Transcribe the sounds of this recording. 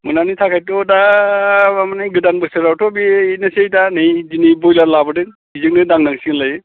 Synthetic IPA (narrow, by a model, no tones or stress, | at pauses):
mɯnanitʰakʰajtɔda | amanaɡɯdanbɯsɯɾawtʰɔbiinɯsejdanɯjzinibɔjlaɾlabɯdɯŋ | izɯŋ̚nɯdaŋnaŋsiŋlajɯ